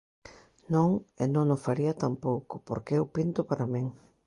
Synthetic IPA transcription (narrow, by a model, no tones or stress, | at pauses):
nõŋenõŋofaɾiɐt̪ampowkʊ̥poɾkeewpint̪ʊpaɾamĩŋ